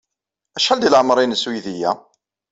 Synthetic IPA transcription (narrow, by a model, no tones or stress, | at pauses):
æʃħæld̪ilʕəmɾˤinswiðijæ